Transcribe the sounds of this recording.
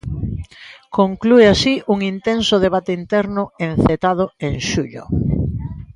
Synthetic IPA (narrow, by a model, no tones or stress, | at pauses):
koŋklueasiʔuŋint̪ensʊðeβ̞at̪eint̪ɛɾnʊẽnθet̪aðʊeŋʃuʎo̰